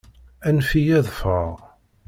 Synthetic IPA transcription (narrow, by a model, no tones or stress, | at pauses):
ænfijæðfəʁ